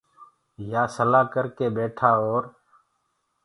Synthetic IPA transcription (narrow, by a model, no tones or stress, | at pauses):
jaːsəlaːkəɾkeːbeːʈʰaːoːɾ